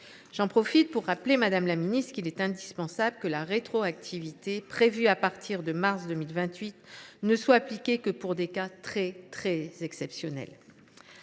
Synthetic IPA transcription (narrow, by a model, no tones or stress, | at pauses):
ʒ̥ɑ̃pχɔfit̪̚puʁːaplemad̪amlaminist̪kilɛt̪ɛ̃d̪ispɑ̃sabləkəlaʁet̪χoak̚t̪ʰivit̪epχevyapaʁt̪ʰiʁd̪əmaʁsd̪əmilvɛ̃t̪ɥit̪nəswaːplikʲekəpuʁd̪ekat̪χɛt̪χɛzɛksɛpsjɔnɛ̰l